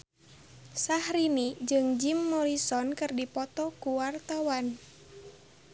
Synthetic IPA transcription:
sahɾinid͡ʒɨŋd͡ʒimːɔɾisɔnkɨrdipɔt̪ɔkuwart̪awan

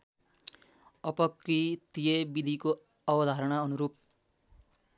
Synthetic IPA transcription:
ʌpʌkrit̪ijebid̪ʱiko | ʌbʌd̪ʱaɾʌɽʌʌnuɾup̚

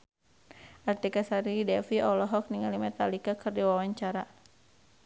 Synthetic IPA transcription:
ʔart̪ikasaɾidɛfiɔlɔɦɔk̚niŋalimɛt̪alikakɨrdiwawaɲt͡ʃaɾa

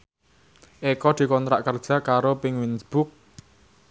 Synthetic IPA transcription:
ʔekɔd̪̥i̤kɔnt̪ɾaʔkərd̥ʒ̥a̤kaɾopɪŋwinsb̥ʊk̚

